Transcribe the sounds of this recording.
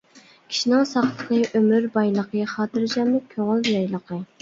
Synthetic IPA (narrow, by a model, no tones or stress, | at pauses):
kʲʰi̥ʃinɪŋsɑχlˠəqʰəʔømyɾbɑjlˠəqəχɑːt̪ɨɾd͡ʒɑmːɨkʲʰøŋɪlˠjɑjlˠəqʰə